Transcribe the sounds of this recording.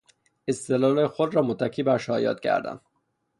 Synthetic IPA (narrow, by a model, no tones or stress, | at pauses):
est̪elɒːlexod̪ɾɒːmot̪ʰːæcʰiːbæɾʃɒːjɒ̰ːt̪̚cʰæ̰ɾd̪æ̰n